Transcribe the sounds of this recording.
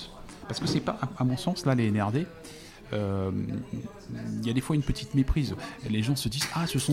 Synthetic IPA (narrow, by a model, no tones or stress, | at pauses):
paʁsəkəsɛpaʔaamɔ̃sɑ̃slaleːnɛʁd̪e | øm | iljad̪efwaynpət̪ʰit̪mepχizleʒɑ̃səd̪izasəsɔ̃